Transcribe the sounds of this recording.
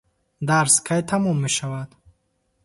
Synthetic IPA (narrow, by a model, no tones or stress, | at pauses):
d̪aɾskʰajt̪ʰamɔmːe̞ʃavad̪̥